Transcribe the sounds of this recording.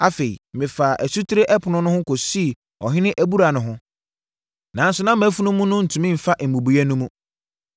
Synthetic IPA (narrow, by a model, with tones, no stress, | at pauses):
a˨fe˨ḭ˨mɪ̃˨faː˨ʔæ˨su˦tʰi˦ɾe˦ʔɛ˦pʰʊ˨nʊ̃˦nʊ̃˦hʊ̃˦ko˨si˦˨ | ɔ˨ɦɪ̃˦nɪ̃˦ʔæ˨bu˦ɾa˨nʊ̃˨ɦʊ̃˦ | nã˨˦n̩˦sʊ˦nã˦m˨æ˨˦fu˦nʊ̃˦mũ˦nʊ̃˦n̩˨tʰũ˨mĩ˦m̩˨fa˦ʔm̩˨bũ˨bu˨æ˦nũ˦mũ˦